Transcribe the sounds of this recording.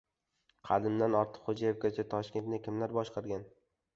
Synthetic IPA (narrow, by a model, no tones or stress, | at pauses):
qʰɑd̪ɪmd̪anɒɾt̪ʰɨ̥qχod͡ʒajefɡʲat͡ʃʰat̪ʰɒʃkʲe̞nt̪nɪkʲɪmlaɾbɒʃqɑɾɡʲan